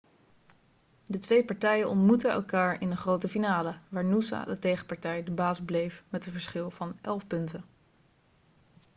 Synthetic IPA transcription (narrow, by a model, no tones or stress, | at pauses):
dətʋejpɑɹtɛjənɔntmutəɛ̰lˠkaːɹɪnəχrowtəfinaːləʋaːɹnusa̰dətejχə̥pɑɹtɛjdəbaːsblejfmɛtənvəɹsχɪlˠvɑnʔɛlˠfpɵntə